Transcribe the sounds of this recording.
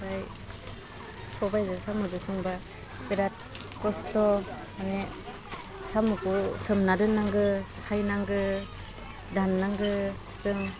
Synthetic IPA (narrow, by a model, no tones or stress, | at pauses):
zaj | sɔbajzɯsamɯdɯsɯŋba | peɾat̚kɔstɔ | ane | samɯkusɯmnadɯnːaŋɡɯsajnaŋɡɯ | danːaŋɡɯ | zɯŋ